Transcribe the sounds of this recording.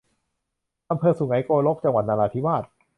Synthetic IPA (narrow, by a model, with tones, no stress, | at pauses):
ʔa˧mpʰɤː˧su˨˩˦ŋa˩˦jkoː˧lo˦˥k̚t͡ɕa˧ŋwa˨˩t̪̚naː˧laː˧t̪ʰi˦˥waː˥˩t̪̚